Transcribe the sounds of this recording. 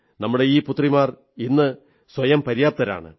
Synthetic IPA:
nɐmːuɽe̞iːput̪ːrimaːr | inːɨ | swɐjɐmpɐɾijaːp̚t̪ɐɾa̰ːɳɨ̰

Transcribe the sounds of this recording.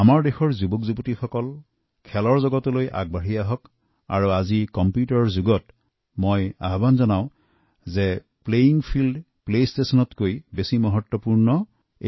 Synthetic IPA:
amaɹdexɔɹzubɔkzubɔtixɔkɔl | kʰɛlɔɹzɔɡɔtɔlojʔa̰ɡ̚baɹijaɦɔk | a̰ɹuazikɔmpjutɔɹzuɡɔt | moja̰ɦbanzɔnaʊ̃ | zɛ | plejiŋpʰild | plestesɔnɔtkojbesimɔɦɔtwɔpuɹnɔ | e

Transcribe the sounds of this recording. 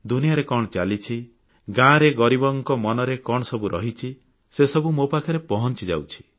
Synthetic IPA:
d̪unijaɾekɔɽ̃ɔt͡ʃalit͡ʃʰi | ɡãɾeɡɔɾibɔŋkɔmɔnɔɾekɔɽ̃ɔsɔbuɾʔɔɦit͡ʃʰi | sesɔbumopakʰɔɾepɔɦɔnt͡ʃid͡ʒa̰wt͡ʃʰi̥

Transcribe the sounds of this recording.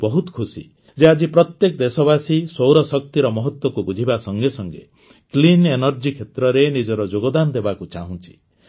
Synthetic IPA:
bɔɦut̪kʰusḭ | d͡ʒead͡ʒipɾɔt̪jekɔd̪esɔβasisowɾɔsɔk̚t̪iɾɔmɔɦɔt̪wɔkubud͡ʒʱibasɔŋɡesɔŋɡḛ | klinenɔɾd͡ʒikʰet̪ɾɔɾenid͡ʒɔɾɔd͡ʒoɡɔd̪anɔd̪ebakut͡ʃaɦũnt͡ʃʰi̥

